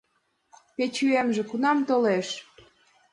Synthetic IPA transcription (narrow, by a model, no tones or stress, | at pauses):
pet͡ɕyemʒĕkunɑmt̪oleʃ